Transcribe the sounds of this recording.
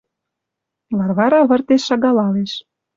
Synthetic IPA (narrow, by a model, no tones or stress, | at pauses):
βɑrβɑɾɑβə̆rt̪eʃːɑɣɑlɑleʃ